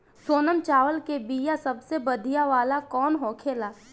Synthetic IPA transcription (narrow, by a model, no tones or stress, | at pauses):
soːnəmt͡ʃaːʋəlkebiːjasəbsebəd̪ʱijaʋaːlakɔːnɦoːkʰeːlaː